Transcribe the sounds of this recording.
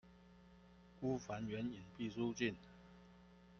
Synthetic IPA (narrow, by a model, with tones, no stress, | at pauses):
ku˥fa˨˥nɥɛ˨˥ni˨˩npi˥˩su˥˦t͡ɕi˥˩n